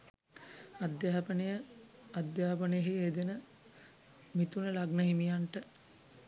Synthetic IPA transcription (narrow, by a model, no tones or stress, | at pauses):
ad̪jaːpənejə | ad̪jaːpənəjəɦied̪enə | mit̪unəlaɡnəɦimijaɳʈə